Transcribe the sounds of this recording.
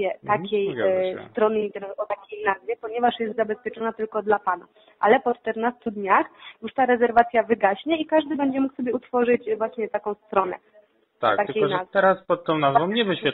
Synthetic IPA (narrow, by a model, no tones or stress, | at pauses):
ɛt̪akʲɛjst̪ɾɔnɘint̪ɛɾnɔt̪akʲejnazvʲjɛpɔɲɛvaʂjɛst̪zabɛspʲjɛt͡ʂɔnat̪ɘlkɔd̪lapana̰ | ʔalɛpɔt͡ʂt̪ɛɾnast̪ud̪ɲaxjuʂt̪aɾɛzɛɾvat̪sʲjavɘɡaɕɲɛikaʐd̪ɘbɛɲd͡ʑɛmuksɔbʲjɛut̪fɔʐɘt͡ɕvwaɕɲɛt̪akɔ̃w̃st̪ɾɔnɛ̰ | t̪a̰kt̪ak̪ʲejnazt̪ɛɾaspɔt̪ːɔ̃w̃nazvɔ̃w̃ɲɛvɨɕfʲat̪